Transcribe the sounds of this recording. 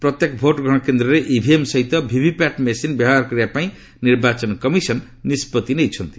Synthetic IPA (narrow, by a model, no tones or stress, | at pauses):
pɾɔt̪jekɔbʱoʈɡʱɔɽ̃kend̪ɾɔɾeʔibʱiemsɔɦit̪ɔbʱibʱipaʈmesinbjɔbaaɾkɔɾibapaĩ | niɾbat͡ʃɔnkɔmisɔnː | ispɔt̪inejt͡ʃʰɔnt̪i̥